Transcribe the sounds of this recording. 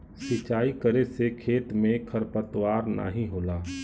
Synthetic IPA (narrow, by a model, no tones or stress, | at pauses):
sɪt͡ʃaːikəɾesekʰeːt̪mẽkʰəɾpət̪waːɾna̰ːɦĩɦoːlaː